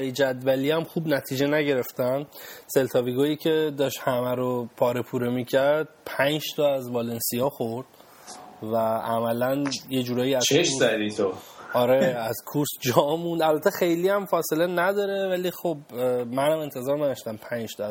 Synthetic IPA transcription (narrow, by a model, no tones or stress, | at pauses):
jid͡ʒæd̪væliːæmxuːbnæt̪ʰiːd͡ʒenæɟe̞ɾe̞ft̪ænse̞lt̪ʰɒːviɡoːjiːcʰe̞d̪ɒːʃt̪hæmæɾopʰɒːɾepʰuːɾemiːcʰæɾd̪̥̚pʰænd͡ʒt̪ʰɒæzvɒlensijɒːxoɾd̪̥ | vææmælænjed͡ʒuːɾɒːjiæzt͡ʃʰeʃuzæd̪it̪ʰoɒɾeæzkʰuɾsd͡ʒɒːmũnd̪ælbæt̪ʰexejliːæmfɒːse̞lenæd̪ɒːɾe̞vælixobmænhæme̞nt̪ʰe̞zɒːɾnæd̪ɔʃt̪æmpʰænd͡ʒt̪ʰɒæz